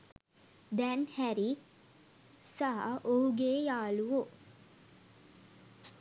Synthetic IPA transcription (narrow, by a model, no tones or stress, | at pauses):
d̪ænhæɾi | saɦa̰ʔoɦuɡeːjaːluʋo